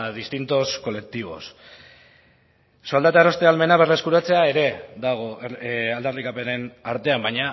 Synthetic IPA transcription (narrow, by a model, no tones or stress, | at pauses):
ðist̪int̪o̞sko̞le̞k̚t̪iβ̞o̞̰s | soald̪at̪aeɾo̞st̪e̞alme̞naβerleskuɾat͡se̞ae̞ɾe̞ðaɣ̞oald̪arikape̞ne̞naɾt̪e̞ambajɲa